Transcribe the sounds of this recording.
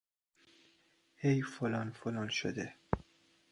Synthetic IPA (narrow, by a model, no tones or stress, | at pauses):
hejfolɒːnfolɒːnʃo̰d̪e